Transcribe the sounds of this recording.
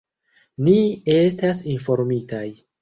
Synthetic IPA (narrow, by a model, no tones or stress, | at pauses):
nie̞s̬tasinfo̞ɾmitaj